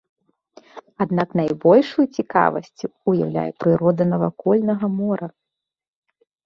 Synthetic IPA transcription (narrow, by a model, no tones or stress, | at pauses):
ad̪naknajbɔlʲʂujut͡sʲika̰vɐ̰sʲt͡sʲuuja̰wlʲa̰jɛpɾɨɾɔd̪ɐnɐvakɔlʲnɐɣɐmɔɾɐ